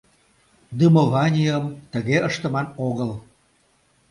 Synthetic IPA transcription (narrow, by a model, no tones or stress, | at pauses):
d̪ɯmovɑnʲiəmt̪əɣeəʃt̪ə̆mɑnoɣəl